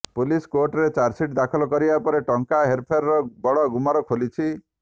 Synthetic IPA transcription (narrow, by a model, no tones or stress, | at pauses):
puliskoɾʈɾet͡ʃaɾsiʈd̪akʰɔlɔkɔɾibapɔɾeʈɔŋkaɦeɾpʰeɾɔɾɔbɔɽɔɡumaɾɔkʰolit͡ʃʰi